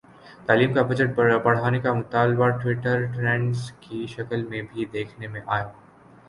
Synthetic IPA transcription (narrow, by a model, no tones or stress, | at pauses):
t̪aːliːmkabɐd͡ʒəʈ̚bɐɽ̤aːnekamʊt̪aːlbaʈwɪʈəɾʈɾɛ̃ːɳɖskiʃɐkəlmẽbʱid̪eːkʰnemẽʔaːjoː